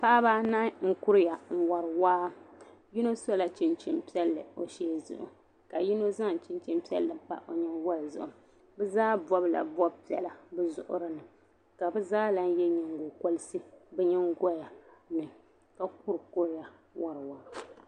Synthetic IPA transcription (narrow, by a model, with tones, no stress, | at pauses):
pa˦ba˦na˦ŋ̩˦kʊ˦ɾja˨ŋ̩˨wɔ˨ɾɨ˨waː˦ | ji˦no˦so˦la˨t͡ʃɪ˦nt͡ʃi˦mpi˦ɛ˦lːɨ˨o˨ʃɛː˦zʊ̰˨ʔʊ̰˨ | ka˨ji˦no˦za˦ŋ˨t͡ʃɪ˦nt͡ʃɛ˦mpi˦ɛ̰˦lːɨ˨pa̰˦ʔo˨ɲɛ˦n˦wɔ˦lzʊ̰˨ʔʊ˨ | bɛ˦zaː˦bɔ˦bla̰˨bɔ˦bpi˨ɛ˨la˨bɛ˦zʊ̰˨ʔʊ̰˦ɾɨ˦nɨ˨ | ka˨bɛ˦zaː˦la˦n˦jɛ˦ɲɛ˨ŋɡo˨ko˦lɨ˦sɨ˦bɛ˦ɲɛ˦ŋɡɔ˦ja˨nɨ˨ | ka˦k̚ʊ˦ɾkʊ˦ɾja˨ | wɔ˨ɾɨ˨waː˦